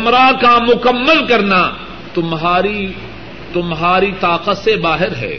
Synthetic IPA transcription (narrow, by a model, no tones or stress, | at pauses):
ɐmɾakamʊkəmːəlkɐɾna | t̪ʊmɦaːɾi | t̪ʊmɦaːɾit̪aːqət̪sebaːɦɪɾɦɛ̰ː